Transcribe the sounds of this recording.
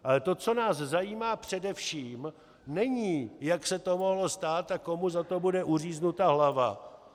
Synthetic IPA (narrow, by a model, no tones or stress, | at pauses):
ʔalɛt̪o̞t͡so̞naːszajiːmaːpr̝̥ɛdɛfʃiːm | nɛɲiːjaksɛt̪o̞mo̞ɦlo̞st̪aːt̪ako̞muzat̪o̞budɛʔuriːznut̪aɦlava̰